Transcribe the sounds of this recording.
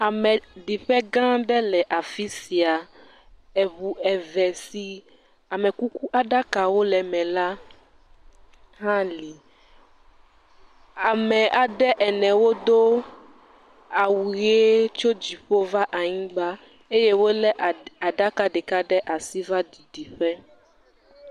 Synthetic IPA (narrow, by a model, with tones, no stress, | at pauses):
a˨mɛ̃˨ɖi˨ɸɛ˦ɡã˦ɖɛ˦lɛ˨ʔa˨fi˦si˨a˨ | ɛ˨bu˨ɛ˨vɛ˨si˨ | a˨mɛ̃˨ku˦ku˦ʔa˦ɖa˦ka˨wo˦lɛ˨mɛ̃˨la˦ | ɦã˦li˨ | a˨mɛ̃˨ʔa˨ɖɛ˦ʔɛ˨nɛ̃˨wo˦d̪o˦ | a˨wu˨e˦t͡ʃo˦d͡ʑi˨ɸo˦va˦ʔa˨ɲĩ˦ɡ͡ba˦ | e˦je˦wo˦lɛ˦˨a˨ɖa˦ka˦ɖɛ˨ka˦ɖɛ˦ʔa˨si˦va˦di˨ɖi˨ɸɛ˦